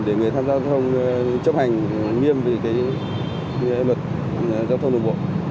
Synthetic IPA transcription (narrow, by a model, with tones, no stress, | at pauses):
ɗe˧˩ŋɨ˨˩əjt̪ʰaː˧mzaː˧wt̪ʰə˧wŋ͡mt͡ɕə˦˥p̚ha˨˩jŋ̟ŋi˧əmve˨˩kaː˨˦j | lwə˨˩t̚ | zaː˧wt̪ʰə˧wŋ͡mɗo̰˨˩ŋ͡mɓo̰˧˨